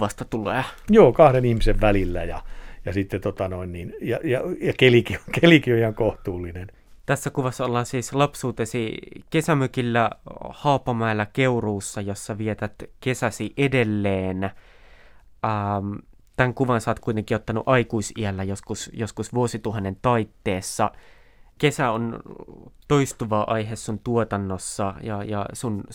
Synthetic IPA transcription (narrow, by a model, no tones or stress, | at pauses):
ʋɑst̪ɑt̪uleːjoːkɑhdenihmiseʋʋælilːæjɑ̰jɑsit̪ːet̪ot̪ɑnoinniːnjɑjɑjɑkelikiokelikioihɑŋkoht̪uːlːinen | t̪æsːækuʋɑsːɑolːɑːnsiːslɑpsuːt̪esikesæmøkilːæhɑupːɑmɑelːɑkeuruːsːɑjosːɑʋiet̪æt̪kesæsiʔedelːeːn | ɑːm | t̪æŋkuʋɑnsɑːt̪kuit̪eŋkˑiʔot̪ːɑnṵʔɑikuisiælːæjoskusjoskusʋuosit̪uɦɑnːent̪ɑit̪ːeːsːɑ | kesæon | t̪oist̪uʋɑːʔɑiɦessunt̪uot̪ɑnːosːɑjɑjɑ̰sun